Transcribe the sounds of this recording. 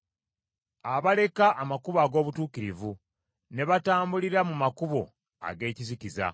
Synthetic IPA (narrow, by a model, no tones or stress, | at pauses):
aβale̞kaʔːmakuβaːɡo̞ːβutuːkiɾivu | ne̞βataːmbuliɾamumakuβo̞̰ | a̰ɡe̞ːciziciza̰